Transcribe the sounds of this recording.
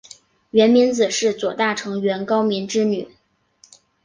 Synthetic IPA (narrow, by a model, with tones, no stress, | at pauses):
ɥɛ˧˥nmi˧˥nt͡sɹ̩˨˩ʂɻ̩˥˩t͡swɔ˨˩t̪a˥˩ʈ͡ʂʰɤ˧˥ŋɥɛ˧˥nkɑ˥ʊmi˧˥nʈ͡ʂɻ̩˥ny˨˩˦